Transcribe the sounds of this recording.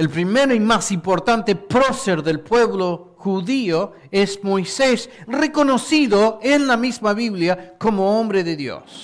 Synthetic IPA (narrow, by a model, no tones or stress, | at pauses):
elpɾimeɾoimasimpoɾt̪ant̪epɾoseɾðelpweβlo | xuðio | esmojsesreko̞nosiðoenlamizmaβiβljakomoombɾeðeðjo̰s